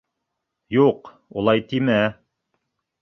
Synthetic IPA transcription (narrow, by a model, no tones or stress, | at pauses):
juq | ulˠɑjt̪imæ